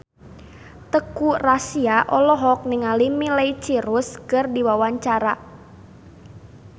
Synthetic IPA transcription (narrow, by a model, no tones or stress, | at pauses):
t̪əkurasiaʔɔlɔɦɔk̚nɪŋalimilɛjt͡ʃiɾʊskərdiwawaɲt͡ʃaɾa